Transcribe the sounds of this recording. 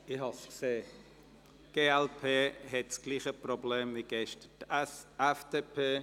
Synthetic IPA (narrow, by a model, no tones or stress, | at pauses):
ɪhɑskseː | ɡ̥eːɛlpʰeːɦɛtsɡ̥liːχəprobleːmviɡ̥ɛʃtəd̥ɛfdepʰeː